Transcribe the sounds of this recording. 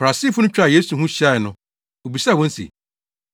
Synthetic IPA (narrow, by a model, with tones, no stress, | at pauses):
fɾa˨si˦fʊ˦ʊ̃˦t͡ɕᶣa˨je˦su˨ɦũ˦ɕa˦˨ɪ˨nʊ̃˦ | o˨bi˨sa˦˨wɔ̃˦n̩˦sḛ˨